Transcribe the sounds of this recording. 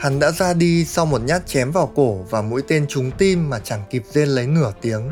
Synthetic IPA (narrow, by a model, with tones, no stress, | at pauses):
ha˨˦ŋɗa̰ː˧˥zaː˧ɗi˧sa˧wmo˨˩t̚ɲaː˦˥t̚t͡ɕɛ˨˦mvaː˨˩wko˧˩vaː˨˩mṵ˧˥jt̪e˧nt͡ɕʊ˨˦ŋ͡mt̪i˧mːaː˨˩t͡ɕaː˧˩ŋki˨˩p̚ze˧nlə˨˦jŋɨ˧˩ət̪i˨˦əŋ